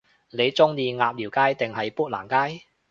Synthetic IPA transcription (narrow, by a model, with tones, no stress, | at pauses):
ne˨˧jt͡sʊ˥ŋjiː˨˧ŋaː˧p̚liː˨˩wkaː˥jt̪ɪ˨ŋɦɐ˨jpuː˥t̚la̰ː˨˩nkaː˥j